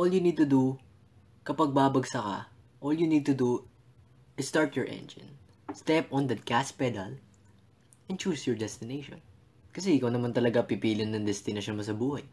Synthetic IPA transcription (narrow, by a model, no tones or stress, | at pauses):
ʔoljunid̪̚t̪ʊd̪u | kɐpɐɡ̚baːbɐɡsɐkɐ̰ | ʔoljunid̪̚t̪ʊd̪u | ʔɪssːt̪aɹpjɔɹʔɛ̰̃nd͡ʒɪ̰n | st̪ɛpɔ̃nd̪ɐt̪̚kaspɛd̪ɐl | ʔɛn̚t͡ʃuːsjɔɹd̪ɛst̪ɪnejʃɔ̰n | kɐs̬ɛʔɪkɐwnɐmɐnt̪ɐlɐɡapɪpiːlɪnːɐŋd̪ɛst̪ɪnɐʃonmɐs̬ɐbuːhɐj